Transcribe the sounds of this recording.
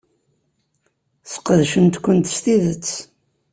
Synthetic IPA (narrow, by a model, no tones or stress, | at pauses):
θə̥qəðʃənt̪kʷːənt̪st̪iðət͡sː